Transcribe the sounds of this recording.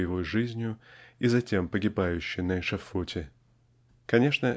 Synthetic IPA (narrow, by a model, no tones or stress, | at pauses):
jɪvojʐɨzʲnʲjʊizɐtʲe̞mpəɡʲɪbajʉɕːɪjnɐɪʂɐfotʲɪ | kɐnʲe̞ʂnə